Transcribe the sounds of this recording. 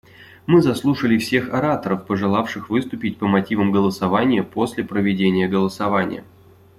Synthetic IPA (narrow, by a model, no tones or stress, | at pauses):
mɨzɐslˠuʂəlʲɪfsʲe̞xɐɾat̪əɾəfpəʐɨlˠafʂɨxvɨst̪ʊpʲɪt̚ʲpəmɐtʲivəmɡəlˠəsɐvanʲɪjəposʲlʲɪpɾəvʲɪdʲenʲɪjəɡəlˠəsɐvanʲɪ̰jə̰